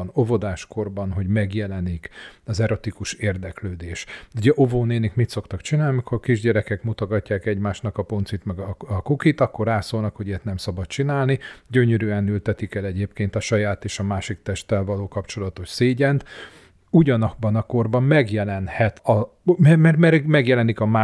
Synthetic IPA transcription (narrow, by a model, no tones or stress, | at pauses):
novo̞d̪aːʃko̞rbɒnɦo̞ɟmɛɡjɛlɛnikɒzɛɾo̞t̪ikuʃeːrd̪ɛkløːd̪eːʃuɟɛʔo̞voːneːnikmit̪so̞kt̪ɒkt͡ʃinaːlniikʰorkiʒɟɛɾɛkɛkmut̪oɡɒcːaːkɛɟmaːʃnɒkɒpo̞nt̪sit̪mɛɡɒkukit̪ɒkːo̞rːaːsoːlnɒkho̞ɟɛt̪nɛmsɒbɒt̪̚t͡ʃinaːlniɟøɲøɾyɛnylt̪ɛt̪ikɛlɛɟeːpkeːnt̪ɒʃɒjaːt̪eːʃɒmaːʃik̚t̪ɛʃt̪ɛlvɒloːkɒpt͡ʃo̞lɒt̪oʃseːɟɛnt̪ | uɟɒnɒbːɒnɒko̞rbɒmmɛɡjɛlɛnhɛt̪ɒ | mɛmɛmɛmɛɡjɛlɛnikɒmaː